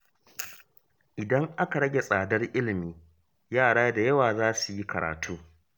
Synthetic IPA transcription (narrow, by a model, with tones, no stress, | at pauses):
ʔɪ˨dɐ˦ŋʔa˦ka˨ɽɐ˦ɡʲe˨sʼaː˨dɐ˦rʔɪ˦lɪ˨miː˦ | jaː˦˨ɽaː˦da˨jɐ˦waː˨zaː˦su˨ji˦kɐ˨ɾa̰ː˨tʰuː˦